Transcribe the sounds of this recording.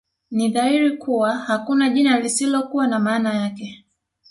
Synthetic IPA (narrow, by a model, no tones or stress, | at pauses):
niðahiɾikuwahakunaʄinalisilɔkuwanamaːnajakɛ